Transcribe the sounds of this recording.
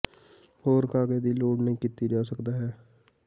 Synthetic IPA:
hoːɾkʰaːɡeːd̪iːloːɽnəĩːkiːt̪iːd͡ʒaːsəkd̪aːɦɛː

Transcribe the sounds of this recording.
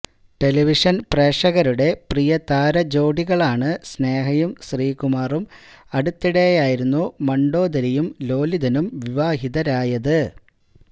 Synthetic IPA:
ʈe̞liʋiʂɐnpreːʂɐɣɐɾuɽe̞prijɐt̪aːɾɐd͡ʑo̞ːɖiɣɐɭaːɳɨsne̞ːɦɐjumsriːkumaːrum | ɐɽut̪ːiɽejaːjiɾunːumɐɳɖo̞ːd̪ɐɾijumlo̞ːliðɐnumʋiʋaːɦiðɐɾaːjɐðɨ

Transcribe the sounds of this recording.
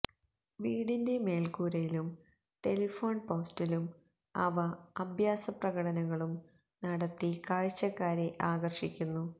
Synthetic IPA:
ʋiːɽinde̞me̞ːlkuːɾɐjilum | ʈe̞lifo̞ːnpo̞ːstilum | ɐ̰ʋɐɐbʱjaːsɐprɐɣɐɽɐnɐɣɐɭum | nɐɽɐt̪ːikaːɻt͡ɕːɐkːaːɾeʔaːɡɐrʂikʲːunːu

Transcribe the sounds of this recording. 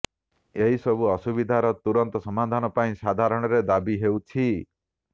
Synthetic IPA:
eɦisɔbuɔsubid̪ʱaɾɔt̪uɾɔnt̪ɔsɔmad̪ʱanɔpaĩsad̪ʱaɾɔɽ̃ɔɾed̪abiɦewt͡ʃʰi

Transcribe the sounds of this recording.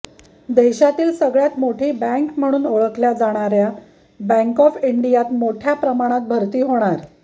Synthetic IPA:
d̪eɕat̪iːlsəɡɭjat̪moʈʰiːbæ̃ŋkm̤əɽ̃uːnoɭəkljad͡zaɽ̃aɾja | bə̃ŋkɔfiɳɖijat̪moʈʰjapɾəmaɽ̃at̪̚bʱəɾt̪iːɦoɽ̃aɾ

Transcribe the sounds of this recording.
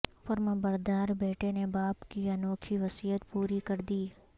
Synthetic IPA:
fɐɾməbɐɾd̪aːɾbeːʈenebaːpkiɐnoːkʰiʋɐsijət̪puːɾikɐɾd̪iː

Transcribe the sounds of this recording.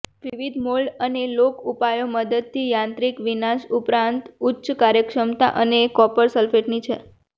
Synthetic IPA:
ʋiʋid̪ʱmoɭɖənelokupajoməd̪əd̪̚t̪ʰijãnt̪ɾikʋinaʃupɾãnt̪utːʃkaɾjəkʂəmt̪a̰ʔənekɔpəɾsəlfeʈnit͡ʃʰe

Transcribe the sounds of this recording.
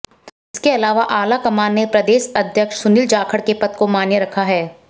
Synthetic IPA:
ɪskeɐlaːʋaʔaːlakɐmaːnnepɾɐd̪eːʃɐd̪ʱjəkʃsʊnɪld͡ʒaːkʰəɽkepɐt̪komaːnjəɾɐkʰaɦɛː

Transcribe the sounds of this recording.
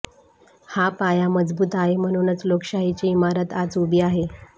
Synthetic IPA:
hapajaməd͡zbuːt̪aɦem̤əɽ̃unət͡slokɕaɦit͡ɕiimaɾət̪ad͡zubiːaɦe

